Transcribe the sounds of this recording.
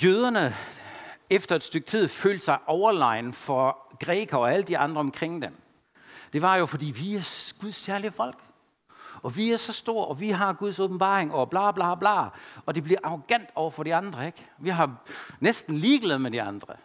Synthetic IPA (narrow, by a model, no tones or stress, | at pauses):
jøːð̞ˠɐnə | efd̥ɐe̝d̥sd̥øɡ̥̚t͡sʰið̞̰ˠføːld̥sɑ̈ɪʔɒʊɐlɑ̈ɪnfɒ̽ɡ̥ʁɛːɡ̥ʰɐɒ̽ælədd̥iɑ̈nd̥ʁɐɒ̽mkʰʁeŋ̰d̥em | d̥e̝ʋɑ̈jo̝fɒd̥ḭːʋiæɐɡ̥uðˠskæɐliəfɒ̽l̰ɡ̥ | ɒ̽ʋiæɐsɒ̽sd̥o̝ɐ̰ɒ̽ʋiɦɑ̈ɡ̥uð̞ˠsob̥m̩b̥ɑ̰̈ːʁeŋɒb̥lɑ̈ːb̥lɑːb̥lɑ̰̈ːɒ̽d̥e̝b̥liɐʔɑ̈ʁoɡ̥æn̰d̥ɒʊɐfɒ̽ɾiɑ̈nd̥ʁɐeɡ̥ʋiɦɑ̈nesd̥n̩liːɡ̥lɛːð̩ˠmed̥iɑ̈nd̥ʁɐ